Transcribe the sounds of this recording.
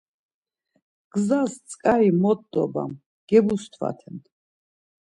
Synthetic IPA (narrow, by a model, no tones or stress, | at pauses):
ɡ̥zast͡sʼkʼaɾimɔd̪d̪ɔ̰ba̰m | ɡ̥ɛbust̪ʰwa̰t̪ʰɛmt̪ʰ